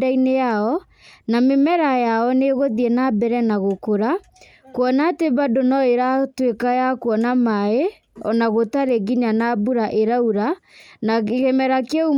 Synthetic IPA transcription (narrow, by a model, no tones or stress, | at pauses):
dainejaɔ | namemɛɾajaɔneɣoðiɛnabɛɾɛnaɣokoɾa | kwɔnateβadonɔeɾatwekajakwɔnamae | ɔnaɣotaɾeɡiɲanabuɾaʔeɾauɾa | naɣemɛɾakɛu